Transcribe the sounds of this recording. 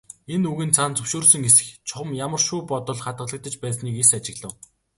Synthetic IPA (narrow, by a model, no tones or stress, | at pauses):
enuɣɘ̆nt͡sʰant͡sɵwʃuːrsə̆ŋesɘ̥̆xt͡ɕʰʊχə̆mjamə̆rʃuːpɔt̪ɞ̆ɮχat̪̚ɢə̆ɮə̆k̚t̪ə̆t͡ɕpæːsniːkesat͡ɕɪ̆ɣɮə̆w